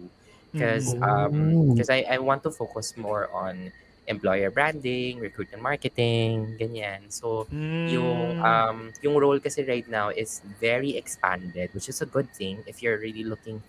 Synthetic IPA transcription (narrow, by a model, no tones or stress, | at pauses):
u | kɔsɐmkɔsajʔajwãnt̪ːufowkʊsmɔɹʔɔ̃n | ʔɛ̃mplɔjɛɹbɹæ̃nd̪ɪŋɹɛkɹut̪ɪ̃ŋmaɹkɛt̪ɪŋŋɡɐɲãnsojʊŋʔɐmjʊŋɹolkɐsɛɹajt̪̚nawʔɪsvɛɹiɛkspã̰nd̪ɛd̪̚wɪt͡ʃɪsɐɡʊd̪̚θɪ̃ŋɪfjʊɹɹililʊkɪ̃ŋ